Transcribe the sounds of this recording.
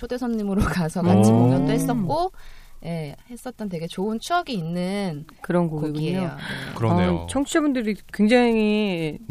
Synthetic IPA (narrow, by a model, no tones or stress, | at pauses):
t͡ɕʰode̞sʰʌnɲimɯɾokasʰʌkad͡ʑʰimoŋɲʌndoɦe̞s͈ʌt̚k͈oje̞he̞s͈ʌt̚t͈ʌnt̬eɡe̞t͡ɕoɯnt͡ɕʰuʌɡiːnːɯnkɯɾʌnkokɡiɡuieookɯɾʌt͡ɕʰʌŋt͡ɕʰiʌbundɯɾikweŋd͡ʑaŋi